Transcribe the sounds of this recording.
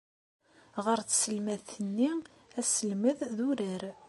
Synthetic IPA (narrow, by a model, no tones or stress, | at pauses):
ʁəɾt͡ssəlmæðθənːi | æsəlməððuɾəɾ